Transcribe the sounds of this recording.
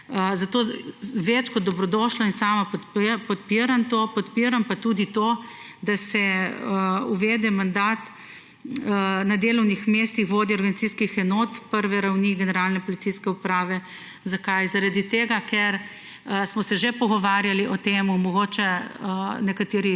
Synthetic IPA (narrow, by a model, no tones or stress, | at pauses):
əzat̪oːʋɛt͡ʃkɔd̪ːɔbɾɔd̪ɔʃlɔinsaːmapt̪pɔt̪piɾamt̪opɔt̪piɾampat̪uːd̪it̪oː | d̪asɛəuʋɛːd̪ɛmand̪aːt̪ | nad̪eːlɔwnixmest̪ixʋoːd̪iɔɾɡɐnit̪siskixɛnoːt̪pəɾʋɛɾawniːɡɛnɛɾaːlnɛpɔlit̪siskɛupɾaːʋɛ | zakajzaɾad̪it̪eːɡakɛɾ | əsmɔsɛʒepɔɡɔʋaːɾjaliʔɔt̪eːmumɔɡoːt͡ʃɛənɛkat̪eːɾi